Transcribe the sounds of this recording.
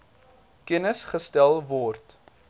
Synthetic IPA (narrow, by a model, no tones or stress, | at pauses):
kənəsχəstælˠvɔrt